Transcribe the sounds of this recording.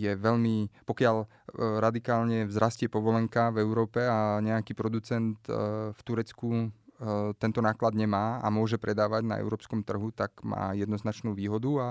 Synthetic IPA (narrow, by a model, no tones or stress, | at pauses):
jɛʋɛʎmipɔkɪaʎ | ɾad̪ikaːlɲɛvzɾascɪɛpɔʋɔlɛŋkavɛʊɾɔːpɛaɲɛakiːpɾɔd̪ut͡sɛnt̪ft̪uɾɛt͡sku | t̪ɛnt̪ɔnaːklad̪ɲɛmaːa̰mʊɔʒɛpɾɛd̪aːʋaɟna̰ɛ̰ʊɾɔːpskɔmt̪r̩ɦut̪akma̰ːjɛd̪nɔznat͡ʃnuːʋiːɦɔd̪ua